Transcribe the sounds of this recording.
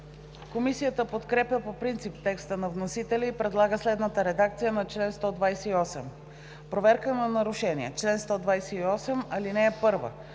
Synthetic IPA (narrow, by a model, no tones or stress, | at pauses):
komisijət̪əpot̪kɾɛpjəpopɾint̪sipt̪ɛkst̪ənɐvnosit̪ɛlʲiːpɾɛd̪lˠaɡəslɛd̪nət̪əɾɛd̪ak̚t̪sijənɐt͡ʃlɛnst̪ɔd̪vajsɛiɔsɛm | pɾovɛɾkənɐnɐɾʊʃɛniɛt͡ʃlɛnst̪ɔd̪vajsɛiɔsɛmɐlinɛːpɤɾvə̰